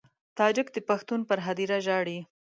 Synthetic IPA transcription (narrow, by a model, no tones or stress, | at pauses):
t̪ɑd͡ʒɪkd̪əpaxt̪unpəɾɦad̪iɾaʒɑɽi